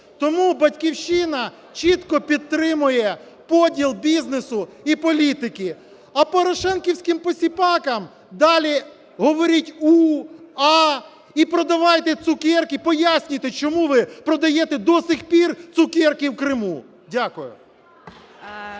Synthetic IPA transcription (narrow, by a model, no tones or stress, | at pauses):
t̪ɔmubɐtʲkʲiwʃɪnɐ | t͡ʃit̪kɔpʲid̪̚t̪ɾɪmʊjɛ | pɔdʲilˠbʲiznesʊipɔlʲit̪ɪkɪ | ɐpɔɾɔʃɛnkʲiwsʲkɪmpɔsʲipɑkɐm | d̪ɑlʲi | ɦɔʋɔɾʲitʲuɑ | ipɾɔd̪ɐʋɑjt̪ɛt̪sʊkʲɛrkɪpɔjasʲnʲʊjt̪ɛt͡ʃɔmuʋɪpɾɔd̪ɐjɛt̪ɛd̪ɔsɪxpʲirt̪ʊkɛrkiwkɾɪmu | dʲakʊjʊ̰